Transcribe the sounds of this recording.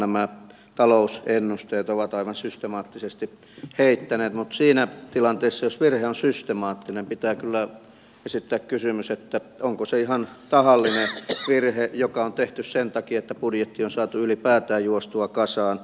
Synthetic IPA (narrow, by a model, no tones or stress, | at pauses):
næmæ | t̪ɑlousenːust̪eːt̪oʋɑt̪ɑiʋɑnsyst̪emɑːt̪ːisest̪i | heit̪ːæneːt̪mut̪siːnæt̪ilɑnt̪eːsːɑjosʋirheonsyst̪emɑːt̪ːinempit̪æːkylːæ | esit̪ːæːkkysymyset̪ːæoŋkoseihɑnt̪ɑhɑlːineʋirhejokɑont̪eht̪yssent̪ɑkiet̪ːæpudjet̪ːionsɑːt̪uylipæːt̪æːjuost̪uɑkɑsɑːn